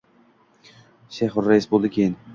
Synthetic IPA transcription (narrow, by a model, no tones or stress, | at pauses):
ʃejχʊɾːaisbolˠd̪ɪkʲʰejɪn